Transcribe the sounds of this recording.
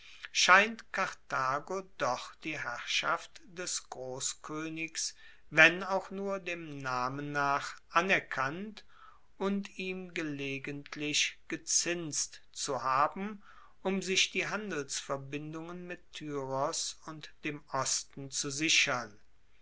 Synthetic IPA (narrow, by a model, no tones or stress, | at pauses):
ʃaɪntkʰaʁtaːɡodɔχd̥iːɦæʁʃaftd̥ɛsɡ̥ʁoːskʰøːnɪks | vɛnaʊxnuːɐdeːmnaːmənːaːχʔanɛɐkʰant | ʊntiːmɡəleːɡəntʰlɪʃɡ̥ət͡sɪnst | t͡suhaːbm̩ | ʊmzɪʃd̥iːɦandl̩sfɛɐbɪndʊŋənmɪtʰːyːʁɔsʊntd̥eːmɔstn̩t͡suzɪʃɐn